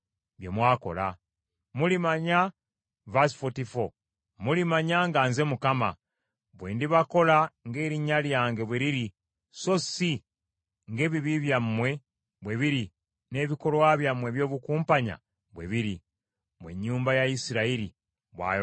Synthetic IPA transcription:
βjemwaːko̞̰la̰ | mulimaɲa | vasfotifo | mulimaɲaŋɡaːnze̞mukama̰ | βwḛːndiβako̞laŋɡe̞ːɾiɲaljaːŋɡe̞βweɾiɾi | so̞si | ŋɡe̞ːβiβiβjamːwe̞ | βweβiɾi | ne̞βiko̞lwaβjamwe̞βjo̞ːβukuːmpaɲa̰ | βweβiɾi | mwḛɲːuːmbajaisiɾaiɾi | βwa̰

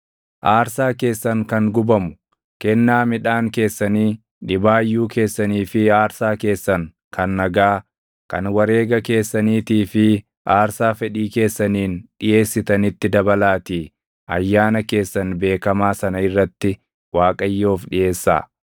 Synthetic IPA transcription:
ʔaːɾsaːke̞ːsːɐŋkɐŋɡʊbɐmʊ̥ | kɛnːaːmɪᶑaːŋke̞ːsːɐniː | ᶑɪbaːjːuːke̞ːsːɐniːfɪaːɾsaːke̞ːsːɐŋ | kɐnːɐɡaː | kɐ̰nwɐɾe̞ːɡɐke̞ːsːɐniːt̪iːfɪ | aːɾsaːfɛᶑiːke̞ːsːɐniːnɗɪjʔe̞ːsːɪt̪ɐnɪt̪ːɪd̪ɐbɐlaːt̪iː | ɐjːaːnɐke̞ːsːɐnbe̞ːkɐmaːsɐnɐɪrːɐt̪ːɪ | waːkʼɐjːo̞ːfᶑɪje̞ːsːa̰ː

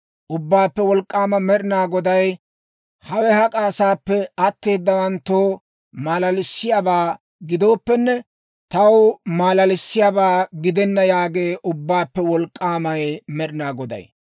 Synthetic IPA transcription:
ʔʊbːaːpːɛwɔlkʼːaːmɐmɛɾɪnaːɡɔd̪ɐj | hɐwɛhɐkʼaːsaːpːɛɐt̪ːe̞ːd̪ːɐwɐnt̪ːoː | maːlɐlɪsːɪjabaː | ɡɪd̪o̞ːpːɛnːɛ | t̪ɐwmaːlɐlɪsːɪjabaːɡɪd̪ɛnːɐjaːɡeːʔʊbːaːpːɛwɔlkʼːaːmɐjmɛɾɪnaːɡɔd̪ɐ̰j

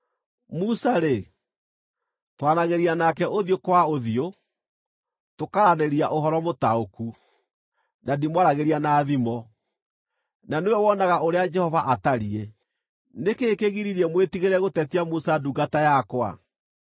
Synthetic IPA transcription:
musaɾe | twanaɣeɾianakɛʔoðiokwaoðio | tokaɾaneɾiaʔoɦɔɾɔmotaoku | dadimwaɾaɣeɾianaːðimɔ | nanewɛwɔnaɣaoɾead͡ʒɛhɔvaʔataɾiɛ | nekeːkeɣiɾiɾiɛmwetiɣeɾɛɣotɛtiamusaduɡatajakwa̰

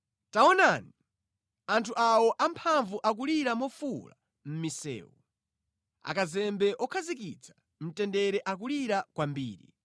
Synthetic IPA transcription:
taɔnani | antʰuʔawɔʔampʰaɱvuʔak̬uliɾamɔfula̰ | m̩misɛ̰ːwɔ | a̰kazɛmbɛʔɔkʰazik̬it͡sʰḁ | m̩tɛndɛɾɛʔak̬uliɾakwambiːɾḭ

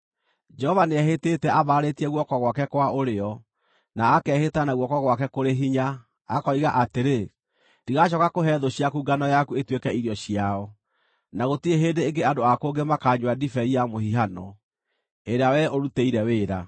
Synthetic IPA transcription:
d͡ʒɛhɔvaneɛɦetetɛʔaβaɾetiɛɣwɔkɔɣwakɛkwaʔoɾeɔ | naːkɛhetanaɣwɔkɔɣwakɛkoɾeɦiɲa | akɔiɣaʔateɾe | diɣaɕ̬ɔkakoɦɛðoɕiakuːɡanɔjakuetwekɛiɾiɔɕiaɔ | naɣotieɦeːndeːŋɡeadoakoːŋɡemakaːɲwadifɛiamohiɦanɔ | eɾeawɛoɾuteiɾɛweːɾa

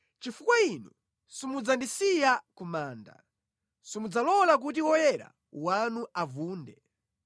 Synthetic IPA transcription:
t͡ʃifukwainṵ | simud͡zandisijakumaːnda̰ | simud͡zalɔlak̬ut̬iwɔjɛɾa̰ | wanuʔavuːndɛ

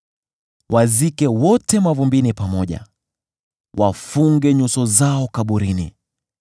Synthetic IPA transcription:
wʔazikɛwɔtɛmavumbinipamɔʄa̰ | wafuŋɡɛɲusɔzaɔkaɓuɾinḭ

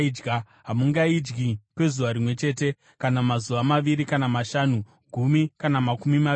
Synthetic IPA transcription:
d͡ʒɡa | ɦamuŋɡaid͡ʒɡikwe̞zuʋaɾimwe̞t͡ʃe̞ːte̞ | kanamazuʋamaʋiɾikanamaʃaːnu | ɡʱumikanamakumima

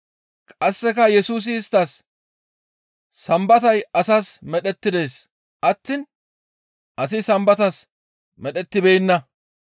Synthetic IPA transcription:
kʼɐsːɛkɐjɛsuːs̬ɪɪst̪ːɐs | sɐmbɐt̪ɐjɐsasmɛɗɛt̪ːɪd̪e̞ːs | ʔɐt̪ːɪn | ʔɐs̬ɪsɐmbɐt̪ɐs | mɛɗɛt̪ːɪbejnːɐ

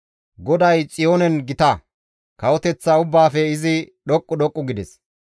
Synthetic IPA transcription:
ɡɔd̪ɐjt͡sʼɪjoːnɛnɡɪt̪ɐ | kɐwɔt̪ɛt͡sːaʊbːaːfɛɪzɪ | ɗɔkʼːʊɗɔkʼːʊɡɪd̪ɛs

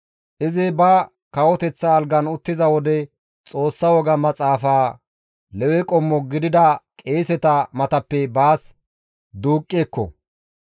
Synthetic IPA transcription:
ʔɪzɪbɐ | kɐwɔt̪ɛt͡sːɐːlɡɐnʊt̪ːɪzɐwɔd̪ɛ | t͡sʼo̞ːsːɐwɔɡɐmɐt͡sʼaːfaː | lɛwɛkʼɔmːɔɡɪd̪ɪd̪ɐkʼeːsɛt̪ɐmɐt̪ɐpːɛbaːs | d̪uːkʼːeːkːɔ̰

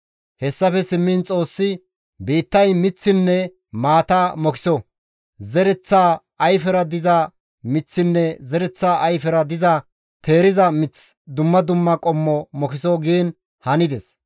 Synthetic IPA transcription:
hɛsːɐfɛsɪmːɪnt͡sʼo̞ːsːɪ | biːt̪ːɐjmɪt͡sːɪnːɛ | maːt̪amɔkɪ̥sɔ | zɛɾɛt͡sːaː | ɐjfɛɾɐd̪ɪzɐ | mɪt͡sːɪnːɛzɛɾɛt͡sːaːʔɐjfɛɾɐd̪ɪzɐ | t̪e̞ːɾɪzɐmɪt͡s | d̪ʊmːɐd̪ʊmːɐkʼɔmːɔmɔkɪsoːɡiːn | hɐnɪd̪ɛs

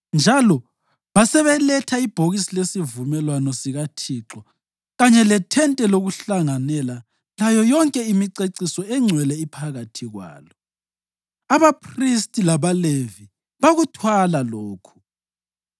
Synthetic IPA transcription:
nd͡ʒʱalɔ | βasɛβɛlɛtʰaib̥ʱoɣisilesivumɛlwanɔsiɣatʰiǁɔ | ɣaɲɛlɛtʰɛntʼɛloɣuɬaŋanɛla | lajɔjɔŋkʼɛimiǀeǀisɔɛŋ͡ǀʱwɛlɛipʰaɣatʰiɣwa̰ːlɔ | aβapʰristʼilaβalevi | βaɣutʰwalaloːkʰu̥

